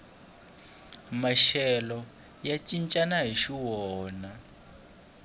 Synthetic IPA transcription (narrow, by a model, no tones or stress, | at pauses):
maʃɛlɔ | jat͡ʃʼint͡ʃʼanaɦiʃiwɔɔːna